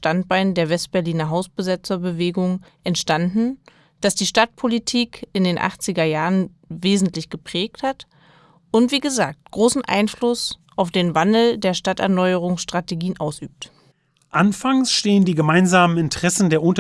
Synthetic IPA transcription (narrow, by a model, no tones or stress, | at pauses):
tant̚b̥aɪndeːɐvɛst̚b̥ɛɐliːnɐɦaʊsb̥əzɪt͡sɐbəveːɡʊŋʔɛntʃtandn̩ | d̥asd̥iːʃtat̚pʰolitʰiːkʰɪndeːnʔa̰χt͡sɪɡɐjaːʁən | veːzn̩tlɪçɡ̥əpʁ̥ɛːk̚that | ʔʊntv̥iːɡəzaːk̚tɡ̥ʁoːsn̩ʔa̰ɪnflʊsʔaʊfd̥eːnvandl̩deːɐʃtatɛ̰ɐnɔʏəʁ̞ʊŋsʃtʁ̥ateɡiːənʔaʊsʔy̰ːp̚t | ʔanfaŋsʃteːəndiːɡəmaɪnzaːmənɪntəʁ̥ɛsn̩deːɐʔʊnt